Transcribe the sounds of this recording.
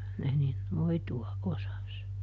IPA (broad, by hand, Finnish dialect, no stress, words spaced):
kylːæ ne nin noituɑʔ ʔosɑs